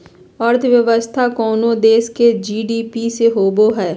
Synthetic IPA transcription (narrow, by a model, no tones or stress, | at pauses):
ɔːɾt̪ʰʋjəʋəst̪ʰakɔːnõd̪eːʃked͡ʒiːɖiːpiseɦoːboɦɛː